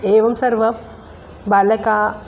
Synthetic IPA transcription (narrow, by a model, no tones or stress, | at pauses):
eʋɐmsɐɾʋɐ | balɐka